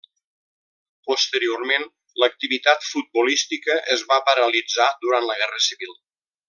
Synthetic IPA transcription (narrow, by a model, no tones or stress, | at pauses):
post̪əɾioɾmen | lək̚t̪iβit̪at̪fut̪̚bulist̪ikəʔəzβapəɾəlid͡zad̪uɾant̪ləɣ̞ɛrəsiβilˠ